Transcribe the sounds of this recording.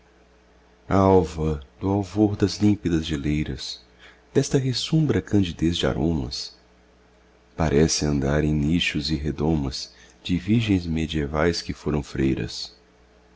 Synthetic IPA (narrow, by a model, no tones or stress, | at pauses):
ɐawvɐd̪ʊawvoɾd̪ɐzlĩpid̪ɐzd͡ʒɪlejɾɐs | d̪̥ɛst̪ɐɦesũmbɾɐkɐ̃d͡ʒid̪ezd͡ʒɪa̰ɾʔõmɐ̰s | paɾʔɛsɪɐ̃nd̪aɾẽj̃niʃʊzɪɦed̪õmɐz | d͡ʒɪviɾʒẽj̃zmed͡ʒievajskɪfoɾɐ̃w̃fɾejɾɐ̰s